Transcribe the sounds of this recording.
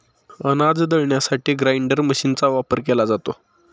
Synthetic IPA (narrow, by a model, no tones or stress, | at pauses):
ənad͡zd̪əɭɳjasaʈʰiːɡɾajɳɖəɾməɕint͡saʋapəɾkelad͡zat̪o